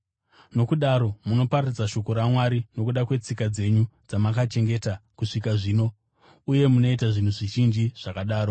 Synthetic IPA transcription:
no̞kuɗaɾo̞muno̞pararid͡zaʃo̞ko̞ɾamwaɾino̞kuɗakwe̞t͡sikad͡ze̞ɲud͡zamakat͡ʃe̞ŋɡe̞ːtakuʂikaʐiːno̞ | uje̞muno̞itaʐin̤uʐiʒind͡ʒiʐ̥akaɗaːɾo

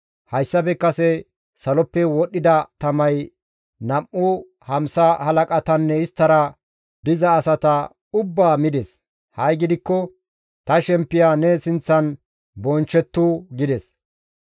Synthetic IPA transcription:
hɐjsːɐbɛkːɐsɛ | sɐlɔpːɛwɔɗɪd̪ɐt̪ɐmɐj | nɐmʔːʊ | hɐmsɐhɐlɐkʼɐt̪ɐnːɛɪst̪ːɐɾɐ | d̪ɪzɐːsɐt̪ɐ | ʊbːaːmɪd̪ɛs | hɐjɡɪd̪ɪkːɔ | t̪ɐʃɛmpːɪjaːnɛsɪnt͡sːɐn | bɔnt͡ʃːɛt̪ːuɡɪd̪ɛs

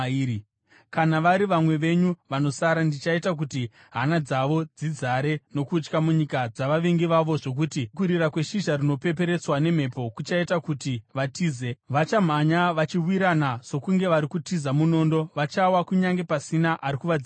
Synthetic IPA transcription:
kanaʋaɾiʋamwe̞ʋe̞ɲuʋano̞saɾandit͡ʃaitak̬uti | ɦanad͡zaʋo̞d͡zid͡zaɾe̞no̞kut͡ʃkamuɲikad͡zaʋaʋe̞ŋɡiʋaʋo̞ʐo̞k̬utikuɾirakwe̞ʃiʒarino̞pe̞p̬e̞ɾe̞t͡swane̞m̤e̞po̞kut͡ʃaitakutiʋatiːzeʋat͡ʃam̤aɲaʋat͡ʃiwiɾanaso̞kuŋɡe̞ʋaɾikutizamuno̞ːndo̞ʋat͡ʃawakuɲaŋɡe̞pasinaʔaɾikuʋad͡zi

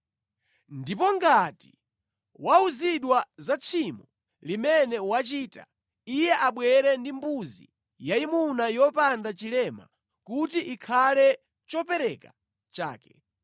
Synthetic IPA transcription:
ndipɔŋɡati | wauziɗwazat͡sʰimɔ | limɛnɛwat͡ʃiːta̰ | ijɛʔaɓwɛɾɛndimbuzḭ | jaimunajɔpandat͡ʃilɛma̰ | kutiʔikʰalɛ | t͡ʃɔpɛɾɛka | t͡ʃa̰ːkɛ

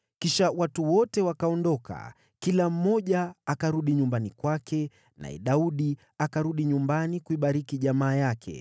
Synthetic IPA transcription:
kiʃawatuwɔtɛwakaɔndɔkʰa̰ | kilam̩mɔʄaakaɾuɗiɲumbanikwakʰɛ | na̰ɛ̰ɗauɗi | akaɾuɗiɲumbanikuiɓaɾikiʄamaːjakʰɛ̰

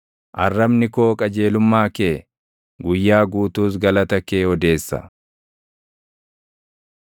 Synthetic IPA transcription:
ʔɐrːɐbnɪkoːkʼɐd͡ʒe̞ːlʊmːaːkeː | ɡʊjːaːɡuːt̪uːs̬ɡɐlɐt̪ɐkeːɔd̪e̞ːsːɐ̰

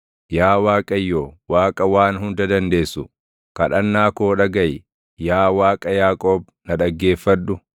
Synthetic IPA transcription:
jaːwaːkʼɐjːoːwaːkʼɐwaːnɦʊnd̪ɐd̪ɐnd̪e̞ːsːʊ | kɐᶑɐnːaːkoːᶑɐɡɐj | jaːwaːkʼɐjaːkʼoːb | nɐᶑɐɡːe̞ːfːɐᶑʊ

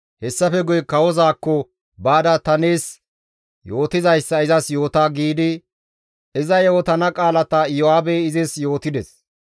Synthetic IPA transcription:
hɛsːɐfɛɡʊjkɐwɔzaːkːɔ | baːd̪ɐt̪ɐne̞ːs | jo̞ːt̪ɪzɐjsːɐɪzɐsjo̞ːt̪aːɡiːd̪ɪ | ɪzɐjoːt̪ɐnɐkʼaːlɐt̪ɐjɔaːbeːɪzɪsjo̞ːt̪ɪd̪ɛs

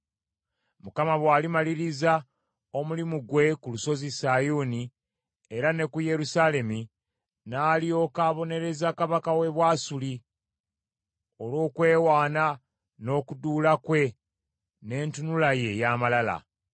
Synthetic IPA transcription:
mukamaβwaːlimaliɾiza | o̞mulimuɡwe̞kuluso̞zisajuːni | eɾane̞kuje̞ɾusale̞mi | naːlio̞ːkaːβo̞ne̞ɾe̞zakaβakawe̞βwaːsuli | o̞lo̞ːkwe̞ːwaːna | no̞kuduːlakwe̞ | ne̞ːntunulaje̞jaːmalala̰

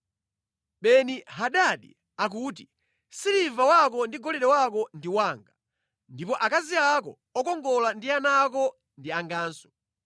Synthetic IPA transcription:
ɓɛniɦaɗaɗḭ | ak̬uːt̬i | silivawak̬ɔndiɡɔlɛɗɛwakɔndiwaːŋɡa | ndipɔʔakaziakɔ | ɔkɔŋɡɔlandianak̬ɔ | ndiaŋɡaːnsɔ̥

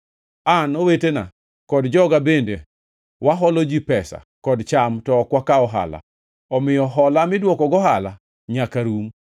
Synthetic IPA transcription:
anɔwetena̰ | kɔdd͡ʒɔɡabende | waɦɔlɔd͡ʒipɛsa̰ | kɔdt͡ʃamtɔːkwakaɔɦa̰la̰ | ɔmɪjɔɦɔlamɪdwɔkɔɡɔɦala | ɲakaɾum

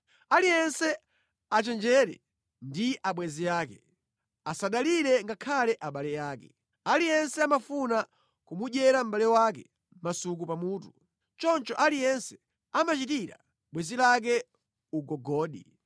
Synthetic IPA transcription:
alijɛnsɛ | at͡ʃɛnd͡ʒɛɾɛ̰ | ndiʔaɓwɛzijaːkɛ | asaɗaliɾɛŋɡakʰalɛʔaɓalɛjaːkɛ̰ | alijɛnsɛamafuna | kumuʄɛɾam̩ɓalɛwakɛ̰ | m̩masuk̬upamuːtu | t͡ʃɔnt͡ʃɔʔalijɛnsɛ̥ | amat͡ʃitiɾa̰ | ɓwɛzilak̬ɛ | uɡɔɡɔːɗḭ

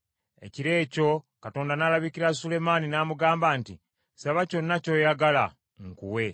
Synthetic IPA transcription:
e̞̰ciɾe̞ːco̞ | kato̞ːndanaːlaβikiɾasule̞maninaːmuɡaːmbaːntḭ | saβaco̞nːaco̞jaɡala̰ | ŋkṵwe̞

